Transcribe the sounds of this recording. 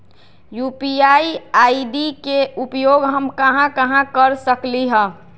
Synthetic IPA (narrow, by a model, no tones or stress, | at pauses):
juːpiaiaːiɖikeʔupjoːɡɦəmkəɦãkəɦãkəɾsəkliɦə̃ː